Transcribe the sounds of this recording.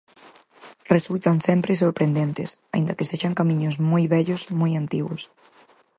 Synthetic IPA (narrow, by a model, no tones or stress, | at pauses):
result̪aŋsɛmpɾɪsoɾpɾend̪ent̪ɪsaḭ̃nd̪ɐkeseʃaŋkamĩɲʊzmojβɛʎosmojant̪iɣʊs